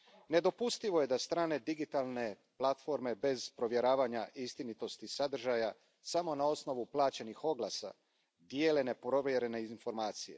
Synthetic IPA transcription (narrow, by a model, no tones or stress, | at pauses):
ne̞d̪o̞pust̪iʋoje̞d̪ast̪ɾaːne̞d̪iɡit̪alˠne̞ | plat̪fo̞ɾme̞be̞zpɾo̞ʋje̞ɾaːʋaɲaʔist̪init̪o̞st̪isad̪r̩ʒaja | samo̞nao̞sno̞ʋuplˠaːt͡ɕe̞nixo̞ɡlˠasa̰ | d̪jeːle̞nepɾo̞ʋjeɾe̞neizinfo̞ɾmaːt̪sije̞̰